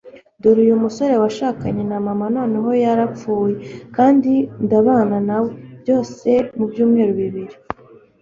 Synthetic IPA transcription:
doɾujumuso̞ɾe̞waʃaːkaɲe̞namamano̞ːne̞ɦo̞jaɾap͡fuːje̞kaːndindaβaːnanawebjo̞ːse̞mubjuːmŋe̞ːɾuβiβiɾi

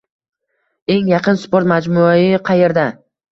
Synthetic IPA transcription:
e̞ŋjɑqɨnspoɾt̪mad͡ʒmuaɪqʰɑje̞ɾd̪a

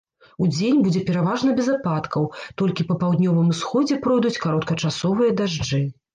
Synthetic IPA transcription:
ud͡zʲenʲbud͡zʲɛpʲɛɾavaʐnɐbʲɛzapat̪kɐwt̪ɔlʲkʲipɐpawd̪nʲɔvɨmusxɔd͡zʲɛpɾɔjd̪ut͡sʲkaɾɔt̪kɐt͡ʂasɔvɨjɐd̪aʐd͡ʐɨ

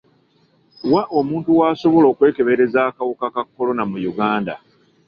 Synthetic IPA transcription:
waʔo̞muːntuwaːso̞βo̞lo̞ːkwe̞ːke̞βe̞ɾe̞zaːkawokakakːo̞lo̞namujuɡaːnda̰

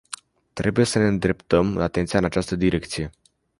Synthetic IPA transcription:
t̪ɾe̞buje̞səne̞ɨnd̪ɾe̞pt̪əmat̪e̞nt̪sijaɨnat͡ʃast̪əd̪iɾe̞k̚t̪sije̞

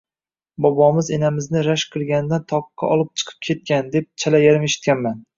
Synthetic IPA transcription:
bɒbɒmɪzenamɪznɪɾaʃqʰɨlˠɡʲand̪ant̪ʰɒqːɑ̰ʔɒlˠɪp̚t͡ʃʰɨ̥qʰɨ̥p̚kʲʰe̞t̪̚kʲand̪ep̚t͡ʃʰalajaɾɪmeʃɪ̥t̪̚kʲanman

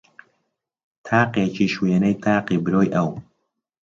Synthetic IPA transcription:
t̪ʰaːqeːt͡ʃʰiːʃweːnɛjt̪ʰaːqiːbɨɾoːjʔɐw

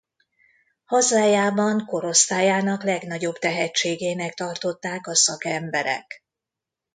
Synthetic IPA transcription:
hɒzaːjaːbɒŋko̞ɾo̞st̪aːjaːnɒklɛɡn̪ɒɟo̞bt̪ɛɦɛt͡ʃːeːɡeːnɛkt̪ɒrt̪o̞t̪ːaːkɒsɒkɛmbɛɾɛ̰k

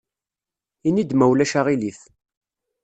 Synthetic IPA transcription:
inid̪mæwlæʃaʁiliθ

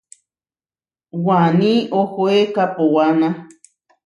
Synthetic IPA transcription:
wanĩʔohoekapowana

